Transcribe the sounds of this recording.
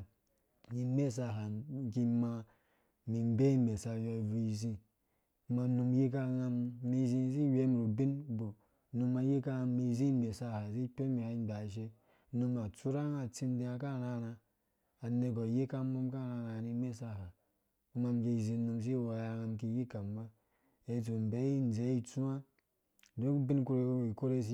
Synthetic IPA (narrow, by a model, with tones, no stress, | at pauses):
ni˨˦me˦˨s̬a˨ɦa˨ki˦ma˨ | mi˨m˦be˦m̩˦be˨sa˨jɔ˦i˨vu˨i˨zi˦ | ma˨nu˨m˦ji˦k̬a˦ŋa˨mːi˨zi˦˨zi˦je˦mi˨ɾo˨bi˦nbo˨ | nu˨mːa˨je˦ka˦a˨mi˨˦zi˦e˨sa˦˨ha˨zi˦k͡pe˦mi˨ha˨˦ba˨ʃ̬e˦ | nu˨ma˨t͡su˦ɾa˦ŋa˨t͡si˦n˦de˦a˨ka˦˨ɾa˦˨na˨ | a˨ne˨ɡɔ˨je˦ka˦mo˦m˦ka˦˨ɾa˦˨na˨ni˦me˦sa˦˨ɦa˨ | u˦ma˨mki˨zĩ˨˦nu˨ms̬i˦˨wa˨ja˨ŋa˨mki˨ji˦ka˨˦ma˦ | e˨t̬o˨m̩˨be˨˦i˦n˨ze˨˦i˦t͡su˦a˦˨ | do˦bi˦nku˦ɾe˨˦˨i˨ko˦ɾe˦si˦